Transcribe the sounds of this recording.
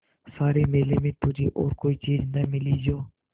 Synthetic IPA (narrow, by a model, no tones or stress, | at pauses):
saːɾiːmeːleːmeːt̪ud͡ʒiːʔo̰ːɾkoːit͡ʃiːd͡ʒnəmɪliːd͡ʒoː